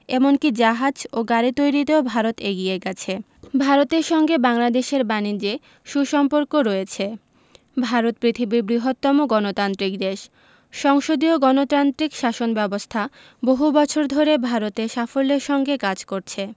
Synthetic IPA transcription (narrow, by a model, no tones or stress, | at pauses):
ɛmonkid͡ʑaɦad͡ʑoɡaɾit̪ojɾit̪eobʱaɾot̪eɡieɡɛt͡ɕʰe | bʱaɾot̪eɾʃɔŋɡebaŋlad̪eʃeɾbanid͡ʑe | ʃuʃɔmpoɾkoɾɔet͡ɕʰe | bʱaɾot̪̚pɾit̪ʰibiɾbɾiɦot̪ːɔmoɡɔnot̪ant̪ɾik̚d̪eʃ | ʃɔŋʃod̪ioɡɔnot̪ɾant̪ɾikʃaʃonbɛbost̪ʰa | boɦubɔt͡ɕʰoɾd̪ʱoɾebʱaɾot̪eʃafolːeɾʃɔŋɡekad͡ʑkoɾt͡ɕʰe